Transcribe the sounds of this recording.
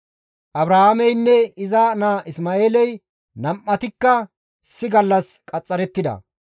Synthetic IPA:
ʔɐbɾaːhamɛjnːɛɪzanaːʔɪsmaːeːlɛj | nɐmːɐt̪ɪkːɐ | ɪsːɪɡɐlːɐskʼɐt͡sʼːɐɾɛt̪ːɪd̪ɐ̰

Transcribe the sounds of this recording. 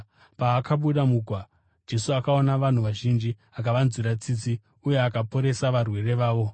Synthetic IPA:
paːkʰaɓuɗamuɡʱwa | d͡ʒe̞suakao̞naʋan̤uʋaʒind͡ʒi | ak̬aʋanziɾat͡sit͡si | uje̞akapo̞ɾe̞saʋarwe̞re̞ʋaːʋo̞

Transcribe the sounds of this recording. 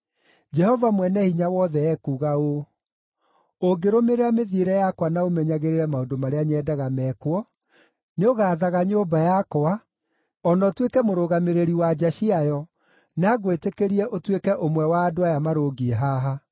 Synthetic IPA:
d͡ʒɛhɔvamwɛnɛhiɲawɔðɛɛkuɣao | oɡeɾomeɾeameðieɾɛjakwanaomɛɲaɣeɾeɾɛmaodomaɾeaɲɛdaɣamɛkwɔ | neoɣaðaɣaɲobajakoa | ɔnɔtwekɛmoɾoɣameɾeɾiwad͡ʒaɕiajɔ | naɣwetekeɾiɛʔotwekɛʔomwɛwaːdoajamaɾoɡieɦaɦa

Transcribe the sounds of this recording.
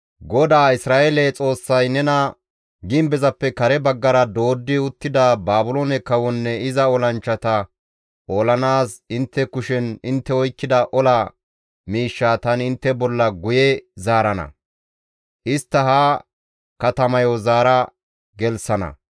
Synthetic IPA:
ɡɔd̪aːɪsɾaːʔelet͡sʼo̞ːsːɐjnɛnɐ | ɡɪmbɛzɐpːɛkɐɾɛbɐɡːɐɾɐd̪o̞ːd̪ːɪʊt̪ːɪd̪abaːbʊloːnɛkɐwɔnːɛɪzɐɔlɐnt͡ʃːɐt̪ɐ | oːlɐnaːsɪnt̪ːɛkʊʃɛnɪnt̪ːɛɔjkːɪd̪ɐʔɔlɐ | miːʃːaːt̪ɐnɪnt̪ːɛbɔlːɐɡʊjɛzaːɾɐnɐ̰ | ʔɪst̪ːɐɦa | kɐt̪ɐmɐjɔzaːɾɐ | ɡɛlsɐnɐ̰

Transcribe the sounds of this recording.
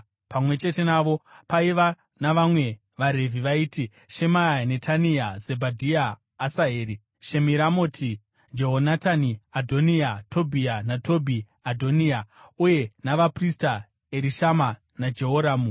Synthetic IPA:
pamwe̞t͡ʃe̞te̞naʋo̞paiʋa | naʋamwe̞ | ʋaɾe̞viʋaiːti | ʃe̞maane̞tʰaniaze̞bʱadʱiaː | saɦeːɾi | ʃe̞miɾamo̞tʰi | d͡ʒeɦonataniadʱo̞niatʰo̞bʱianato̞bʱi | adʱo̞nia | uje̞naʋaprista | eɾiʃama | nad͡ʒe̞ɦoɾaːmu

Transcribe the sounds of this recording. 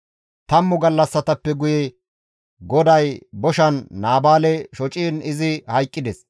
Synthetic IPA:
t̪ɐmːʊɡɐlːɐsːɐt̪ɐpːɛɡʊjɛ | ɡɔd̪ɐjbɔʃɐnːaːbaːlɛʃɔt͡ʃʼiːnɪzɪhɐjkʼːɪd̪ɛs

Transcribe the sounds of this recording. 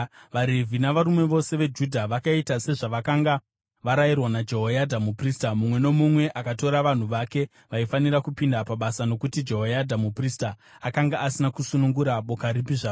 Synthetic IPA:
ʋaɾe̞vʱinaʋaɾume̞ʋo̞se̞ʋe̞d͡ʒudʱaʋakaitase̞ʐaʋakaŋɡa | ʋaɾajirwanad͡ʒe̞ɦojadʱamupristamumwe̞no̞mumwe̞ʔakato̞ɾaʋan̤uʋake̞ | ʋaifanirakupindapaɓasano̞kutid͡ʒe̞ɦojadʱamupristaː | kaŋɡaʔːsinakusunuŋɡuɾaɓo̞kaɾipiʐaːo

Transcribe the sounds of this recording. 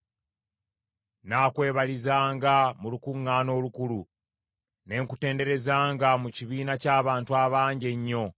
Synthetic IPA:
naːkwe̞ːβalizaːŋɡamulukuŋːaːno̞ːlukulu | ne̞ŋkute̞ːnde̞ɾe̞zaːŋɡamuciβiːnacaːβaːntuaβaːɲɟe̞ɲːo̞

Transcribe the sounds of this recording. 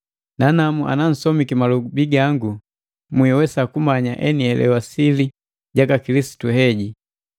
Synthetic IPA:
nanamuʔa̰nan̩sɔmikimalɔɡubiɡaŋɡu | muɛwɛsakumaɲaʔɛnihɛlɛ̰wasili | ɟakakilisi̥tuɦɛɟi

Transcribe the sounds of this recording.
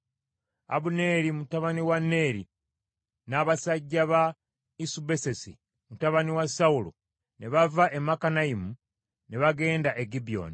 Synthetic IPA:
a̰βune̞ɾimutaβaniwanːe̞ːɾḭ | naːβasaɟːaβa | isube̞se̞si | mutaβaniwasaulo̰ | neβavaʔemakanaimu | neβaɡe̞ːndaʔeɡibijo̰ːni

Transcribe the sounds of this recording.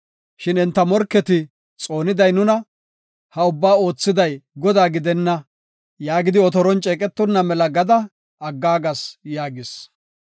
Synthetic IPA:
ʃɪnɪnt̪ːɐmɔɾkːɛt̪ɪ | t͡sʼo̞ːnɪd̪ɐjnʊnɐ | hɐʊbːaːo̞ːt͡sːɪd̪ɐjɡɔd̪aːɡɪd̪ɛnːɐ | jaːɡɪd̪ɪɔt̪ɔɾɔnt͡ʃʼɛːkʼɛt̪ːɔnːɐmɛlɐɡɐd̪ɐ | ɐɡːaːɡɐsjaːɡɪs

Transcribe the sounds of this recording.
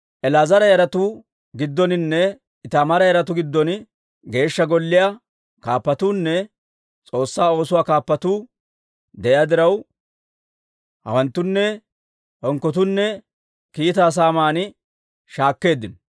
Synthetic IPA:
ʔɛlaːzɐɾɐjɐɾɐt̪ʊ | ɡɪd̪ːɔnɪnːɛ | ɪt̪ɐmɐɾɐjɐɾɐt̪ʊɡɪd̪ːɔn | ɡe̞ːʃːɐɡɔlːɪja | kaːpːɐt̪uːnːɛ | t͡sʼo̞ːsːaːo̞ːsʊwaːkaːpːɐt̪uː | d̪ɛʔjaːd̪ɪɾɐw | hɐ̰wɐnt̪ːʊnːɛ | hɔŋkːɔt̪̬ʊnːɛ | kiːt̪aːs̬aːmaːnɪ | ʃaːkːe̞ːd̪ːɪnɔ

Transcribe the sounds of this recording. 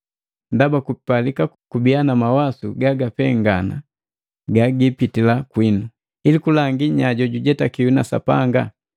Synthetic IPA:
ndabakupalikakubijanamawasuɡaɡapɛŋɡana̰ | ɡaɡipitilakwinu | ilikulaŋɡiɲaɟɔɟuɟɛtakiunasa̰paŋɡa

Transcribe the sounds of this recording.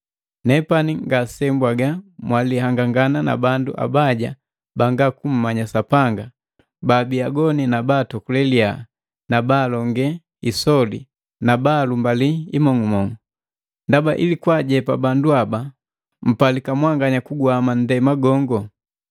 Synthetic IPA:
nɛpaniŋɡasɛmbwaɡamwalihaŋɡaŋɡanana̰bandṵʔa̰baɟa̰ | baŋɡakum̩ːaɲasapaŋɡa | baːbiaɡɔninabaːtɔkulɛlia | nabaːlɔŋɡɛ | isɔli | nabaːlumbaliimɔŋumɔŋu | ndabaʔḭlikwaɟɛpabanduaba | m̩palikamwaŋɡaɲakuɡwaman̩dɛmaɡɔŋɡɔ

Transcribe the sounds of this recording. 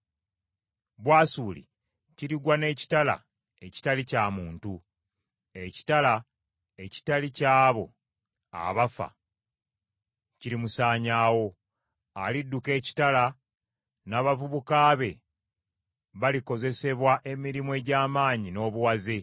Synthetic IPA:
βwaːsuːlḭ | ciɾiɡwane̞ːci̥tala̰ | e̞ci̥talicaːmuːntu | e̞ci̥tala | e̞ci̥talicaːβo̞ | a̰βafa̰ | ciɾimusaːɲaːwo̞ | alidːuke̞ːci̥tala | naːβavuβukaːβe̞̰ | βaliko̞ze̞se̞βwaʔe̞miɾimue̞ːɟaːmaːɲino̞ːβuwaze

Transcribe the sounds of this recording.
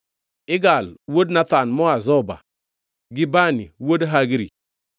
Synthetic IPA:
ɪɡalwodnatanmɔazɔba̰ | ɡibaniwodɦaɡiɾḭ

